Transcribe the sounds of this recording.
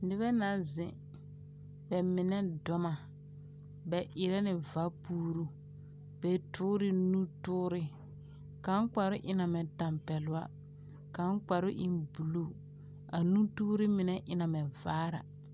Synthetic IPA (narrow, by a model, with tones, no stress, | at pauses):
nɪ˦bɛ˦na˨zɪ̰̃˨ | bɛ˨mɪ˨nɛ˦dɔ˨ma˨ | bɛ˨ʔɪ˨ɾɛ˦nɪ˨va˦puː˦ɾu˦ | bɛ˨tʰʊː˦ɾɪ˦nũ˦tʊː˦ɾɪ˦ | ka˨˦k͡pa˨ɾʊ˦ʔɪ˦na˨mɛ˨ta˨mpɛ˨lʊ˦a˦ | ka˨˦k͡pa˨ɾʊ˦ʔɪ˦nbu˨lu˦˨ | a˨nũ˦tuː˦ɾɪ˦mɪ˨nɛ˦ʔɪ˨na˨mɛ˨vaː˦ɾa̰˨